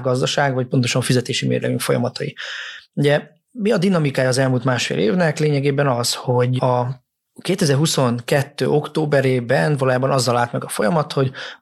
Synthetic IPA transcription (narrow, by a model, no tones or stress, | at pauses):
ɡɒzd̪ɒʃaːɡvɒc̚po̞nt̪o̞ʃɒɱfizɛt̪eːʃimḛːrlɛ̰ɡyŋkfo̞jɒ̰mɒt̪ɒjiuɟɛ | miɒd̪inɒmikaːjɒːzɛlmuːlt̪maːʃfḛːlʔeːvnɛkleːɲɛɡeːbɛnɒsho̞ɟɒ | keːt̪ɛzɛrɦuso̞ŋkɛt̪ːø̰ːo̞kt̪oːbɛɾeːbɛnvɒlojaːbɒnɒzːɒlaːlt̪mɛɡɒfo̞jɒmɒt̪ho̞ɟ